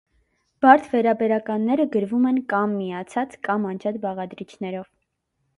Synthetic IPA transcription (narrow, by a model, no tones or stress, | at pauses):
b̥ɑɾt͡sʰvɛɾɑbɛɾɑkɑnːɛɾəɡəɾvumɛnkɑmːiɑt͡sʰɑt͡skɑmɑnd͡ʒʰɑt̪bɑʁɑd̪ɾit͡ʃʰnɛɾɔv